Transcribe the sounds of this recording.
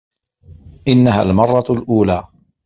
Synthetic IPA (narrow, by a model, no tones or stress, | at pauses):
ʔɪnːahaːlmɑrˤːɑlʔuːlaː